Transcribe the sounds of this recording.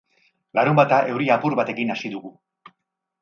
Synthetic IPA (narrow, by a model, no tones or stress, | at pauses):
laɾumbat̪aʔe̞wɾiapuɾβat̪e̞kinasiðuɣu